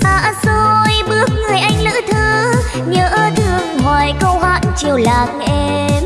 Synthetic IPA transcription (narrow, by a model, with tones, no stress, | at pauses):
ʔaː˧˩zo˧jɓɨ˦˥ək̚ŋɨ˨˩əjʔa˧jŋ̟lɨ̰ː˧˥t̪ʰɨ˧ | ɲəː˨˩ʔəː˧t̪ʰɨ˧˩əŋməː˨˩jkə˧whwaː˧˩ŋt͡ɕi˨˩əwlaː˨˩nʔɛ˧ | m